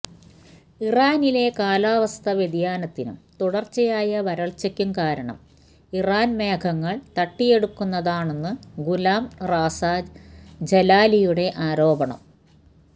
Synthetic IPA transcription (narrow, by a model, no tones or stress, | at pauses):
iraːnile̞kaːlaːʋɐst̪ʰɐʋjed̪jaːnɐt̪ːinṵmt̪uɽɐrt͡ɕːɐjaːjɐʋɐɾɐɭt͡ɕɐkʲːumkaːɾɐɳɐ̰m | iraːnmeːkʰɐŋːɐɭt̪ɐʈːije̞ɽukːunːɐðaːɳe̞nːɨɡulaːmraːsaːdd͡ʑelaːlijuɽe̞ʔaːɾo̞ːbɐɳɐ̰m